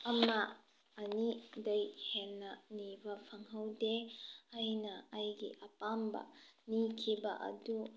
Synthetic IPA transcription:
ɐmaː | nidɐjhɛnːanibapʰɐŋɦawdeajnɐːjɡḭʔɐpambɐ̰nikʰibɐ̰ʔɐ̰du

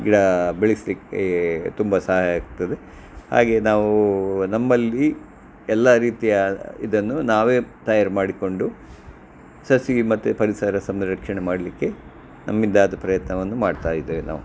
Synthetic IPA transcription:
ɡiɽɐbeɭislikːet̪umbɐsaːaːɡut̪ːɐd̪e | ha̰ːɡe̞ːnaːʋunɐmːɐlːi | ɛlːɐɾiːt̪ijɐḭd̪ɐnːunaːʋe̞ːt̪ɐjaːɾmaːɽiko̞ɳɖu | sɐsimɐt̪ːupɐɾisɐɾɐsɐmɾɐkʂɐɳemaːɽɐlikːe̞ | nɐmːind̪aːd̪ɐpɾɐjɐt̪nɐʋɐnːumaːɖt̪aːjid̪eʋena̰ːʋu

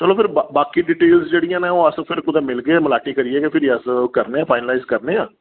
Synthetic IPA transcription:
t͡ʃəlõːpʰɪɾbabaːkiːɖiːʈeːlsd͡ʒeːɽijãːnẽːoːəspʰɪɾkʊd̪ãːmɪlɡeɛːməlaːʈiːkəɾiːɛːkepʰɪɾiəskəɾneːãːpʰaːɪnəlaːɪzkəɾneːãː

